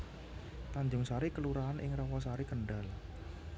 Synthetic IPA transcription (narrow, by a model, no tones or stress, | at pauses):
t̪aɲd͡ʒʊŋsaɾikəluɾaːnʔɪŋrɔwɔsaɾikəɳɖal